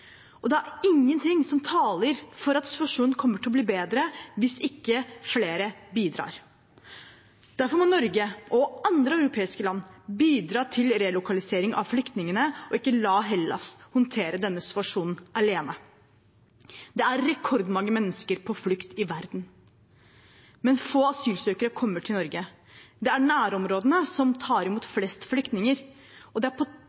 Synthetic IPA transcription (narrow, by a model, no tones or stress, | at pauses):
ʔɔd̪ɛæɾɪŋːənt̪ʰɪŋːsɔmt̪ʰɑːləɾfɔɾɑt̪sɪ̥t̪ʋɑʂuːnn̩kʰɔmːəʈɪɔbliːbeːd̪ɾəʋɪsɪkːəfleːɾəbiːd̪ɾɑ̰ːɾ | d̪̥æɾfɔɾmɔnɔɾɡəʔɔɑnd̪ɾəœʉɾʊpʰeːɪskəlɑnːbiːd̪ɾɑːt̪ʰɪlɾɛlʊkʰɑlɪseːɾɪŋɑ̰ʋflʏkt̪nɪŋənəɔɪkːəlɑːɦɛlːɑ̰shʊnt̪ʰeːɾəd̪ɛnːəsɪ̥t̪ʉɑʂuːnn̩ʔɑleːnə | d̪ɛæɾːɛkʰɔɾd̪mɑŋːəmɛnːəskəɾpʰɔflʏkt̪ɪʋæɾd̪n | mɛnfoːɑsyːlsøːkəɾəkʰɔmːəʈʰɪlnɔɾɡə | d̪ɛæɾɳæːɾɔmɾoːd̪nəsɔmt̪ʰɑːɾɪmuːt̪flɛst̪flʏkt̪nɪŋəɾ | ɔd̪ɛæɾpʰɔ